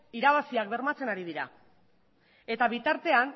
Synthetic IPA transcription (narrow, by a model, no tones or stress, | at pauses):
iɾaβ̞asiak̚be̞ɾmat͡se̞naɾið̞iɾa̰ | e̞t̪aβit̪aɾt̪e̞an